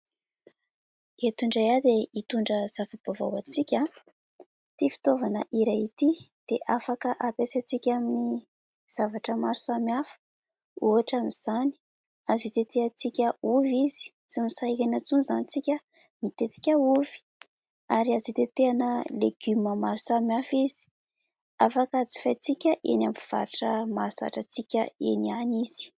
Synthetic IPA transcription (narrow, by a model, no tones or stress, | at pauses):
et̪uɳɖ͡ʐajad̪eit̪uɳɖ͡ʐəz̥afib̥ava̰wat͡sikʲa | t̪ifi̥t̪ovanə̰ʔiɾait̪id̪̥eʔafakəʔapesat͡sikʲamini | z̥avaʈ͡ʂəmaɾsamafə̥ | uɦaʈ͡ʂamiz̥ani̥ | azit̪et̪eat͡sikʲəuvizi̥ | t͡simisajkenat͡sunzanit͡sikʲə | nit̪et̪i̥kʲauv̥i̥ | aɾiazit̪et̪eanəleɡ̥yməmaɾsamjafizi̥ | afakət͡si̥fat͡sikʲəʔḛnampiv̥a̰ɾʈ͡ʂəmasa̰ʈ͡ʂət͡sikʲə̰ḛnianiz̥i̥